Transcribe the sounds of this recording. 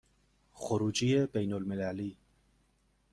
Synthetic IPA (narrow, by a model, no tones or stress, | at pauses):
xʊɾuːd͡ʒiebejnolmelæliː